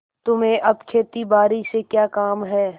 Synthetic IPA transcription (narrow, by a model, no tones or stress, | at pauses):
t̪ʊmẽʔɐbkʰeːt̪ibaːɾisekjaːkaːmɦɛː